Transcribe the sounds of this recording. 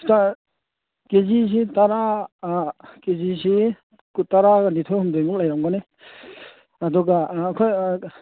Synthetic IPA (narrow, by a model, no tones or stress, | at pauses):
ta | kezis̬itaɾa | kezisi | kutaɾanitʰɔhumdɔjmuk̚lajɾamɡɔne | aduɡaːkʰɔj